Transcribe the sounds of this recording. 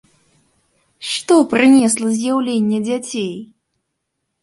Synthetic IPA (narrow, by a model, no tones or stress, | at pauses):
ʂt̪ɔpɾɨnʲɛslˠəzʲjawlʲenʲːɛd͡zʲat͡sʲej